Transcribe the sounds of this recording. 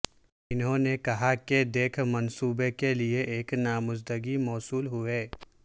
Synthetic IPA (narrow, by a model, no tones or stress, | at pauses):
ɪnɦõnekɐɦaked̪eːkʰmɐnsuːbekelieʔeːknaːmʊzd̪əɡimɔːsuːlɦʊeː